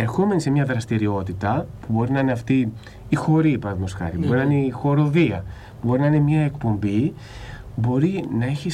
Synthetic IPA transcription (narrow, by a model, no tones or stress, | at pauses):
e̞ɾxo̞menise̞mɲɐðɾɐst̪iɾio̞t̪it̪ɐpubo̞ɾinɐineɐft̪iː | xo̞ɾiːpɐnðimusxɐ̰ɾipuboɾinɐineixo̞ɾo̞ðiɐ̰ | pubo̞ɾinɐinemɲɐe̞kpo̞mbi | bo̞ɾinɐeçis